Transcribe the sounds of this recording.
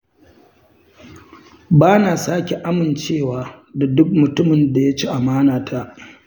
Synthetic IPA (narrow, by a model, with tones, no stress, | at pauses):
baː˦naː˨saː˦kʲe˨ʔa˦mɪ˨nt͡ʃeː˦˨waː˨ | da˨dʊ˦k̚mʊ˨tʊ˦mɪ˨nda˨ja˦t͡ʃi˦ʔa˨maː˦naː˨tʰa˦ʔ